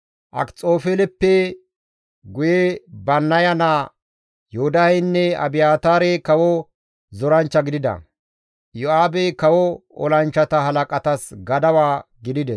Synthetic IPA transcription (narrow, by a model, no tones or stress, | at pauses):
ʔɐ̰kt͡sʼo̞ːfelɛpːɛ | ɡʊjebɐnːɐjɐna | jɔhʊd̪ɐhɛjnːɛɐ̰bɪjaːt̪aːɾekɐwɔ | zɔɾɐnt͡ʃːɐɡɪd̪ɪd̪ɐ̰ | jɔaːbɛkɐwɔɔ̰lɐnt͡ʃːɐt̪ɐɦɐlɐkʼɐt̪ɐsɡɐd̪ɐwaːɡɪd̪ɪd̪ɛs